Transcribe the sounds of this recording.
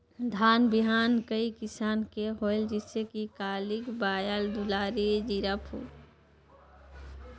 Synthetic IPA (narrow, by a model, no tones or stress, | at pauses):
d̪ʱaːnbiɦaːnkəikɪsaːnkeɦoeld͡ʒɪsekikaːlikbaːjəld̪ulaːɾed͡ʒiɾəpʰṵ